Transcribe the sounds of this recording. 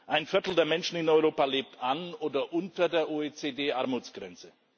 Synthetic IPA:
ʔaɪnfɪɐtl̩deːɐmɛnʃn̩ɪnɔʏʁoːpaleːp̚tʰʔanoːdɐʔʊntɐdeːɐʔoːeːt͡seːdeːʔaɐmuːt͡sɡ̥ʁɛ̰nt͡sə

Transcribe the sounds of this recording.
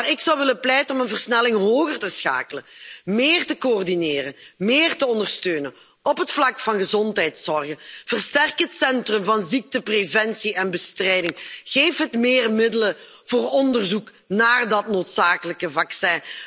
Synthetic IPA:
rɪksɑwʋɪləplɛjtənɔmənvərsnɛlɪŋɦoːɣərtəsxa̰ːkələmɪːrtəkoːrdineːrənmɪeːrtəɔndərstøːnən | ɔpɦətflɑkfɑnɣəzɔntɦɛjtsɔrɣənv̥ərstɛrkɦətsɛntrɵmvɑnzik̚təprevɛnsiɛnbəstrɛjdɪŋɣeːfɦətmɪːrmɪdələ | v̥oːrɔndərzuk | naːrdɑtnoːtsaːkələkəvɑksɛː

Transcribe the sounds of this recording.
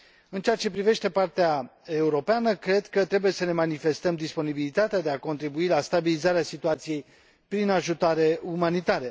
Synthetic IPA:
ɨnt͡ʃeat͡ʃe̞pɾive̞ʃt̪e̞part̪eae̞uɾo̞peanəkɾe̞d̪kət̪ɾe̞buje̞səne̞manife̞st̪əmd̪ispo̞nibilit̪at̪ead̪e̞ako̞nt̪ɾibuilast̪abilizaɾeasit̪uat̪sije̞j | pɾinaʒut̪oaɾe̞umanit̪aɾe

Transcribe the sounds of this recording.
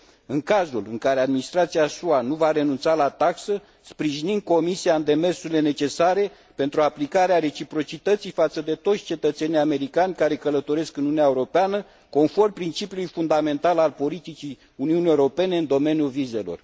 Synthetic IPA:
ɨŋkazulɨŋkaɾe̞ad̪minist̪ɾat̪siasuanuvaɾe̞nunt̪salat̪aksə | spɾiʒinind̪̚ko̞misiaɨnd̪e̞me̞rsuɾile̞ne̞t͡ʃe̞saɾe̞ | pe̞nt̪ɾuaplikaɾeaɾe̞t͡ʃipɾo̞t͡ʃit̪ət̪sijfat̪səd̪e̞t̪o̞t̪sʲt͡ʃe̞t̪ət̪se̞nijame̞ɾikanʲkaɾe̞kələt̪o̞ɾe̞skɨnuuneaeuɾo̞peanə | ko̞nfo̞rmpɾint͡ʃipjulujfund̪ame̞nt̪alalpo̞lit̪it͡ʃi | uniunijewuɾo̞pe̞ne̞ɨnd̪o̞me̞njulvize̞lo̞̰r

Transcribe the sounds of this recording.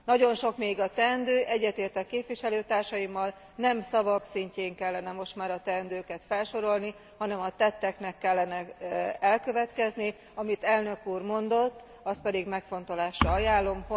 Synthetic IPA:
nɒɟo̞nʃo̞kmeːɡɒt̪ɛnd̪øːʔɛɟːɛt̪eːrt̪ɛkːeːpʋiʃɛløːt̪aːrʃɒjimːɒl | nɛmsɒvɒksiɲceːŋkɛlːɛnɛmo̞ʃt̪maːɾɒt̪ɛnd̪øːkɛt̪fɛlʃo̞ɾo̞lni | hɒnɛmɒt̪ɛt̪ːɛknɛkːɛlːɛnɛɛlkø̞vɛt̪kɛzni | ɒmit̪ɛlnø̞kuːrmo̞nd̪o̞t̪ː | ɒst̪pɛd̪iɡmɛkfo̞nt̪o̞laːʃrɒɒjaːlːo̞mho

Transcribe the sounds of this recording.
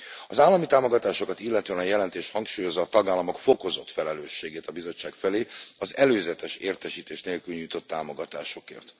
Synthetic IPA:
ɒzaːlːɒmit̪aːmoɡɒt̪aːʃo̞kɒt̪ilːɛt̪øɛnɒjɛlɛnt̪eːʃhɒŋkʃuːjo̞zːɒːt̪ɒɡaːlːɒmo̞kfo̞ko̞zo̞t̪fɛlɛløːʃːeːɡeːt̪ɒbizo̞t͡ʃːaːkfɛleːɒzɛløːzɛt̪ɛʃeːrt̪ɛʃiːt̪eːʃneːlkylɲujt̪o̞t̪ːaːmo̞ɡɒt̪a̰ːʃo̞kḛːrt̪

